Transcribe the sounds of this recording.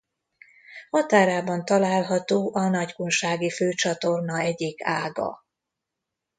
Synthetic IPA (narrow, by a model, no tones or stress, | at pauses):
hɒt̪aːɾaːbɒnt̪ɒlaːlɦɒt̪oːʔɒnɒɟkunʃaːɡiføːt͡ʃɒt̪o̞rnɒɛɟikaːɡɒ̰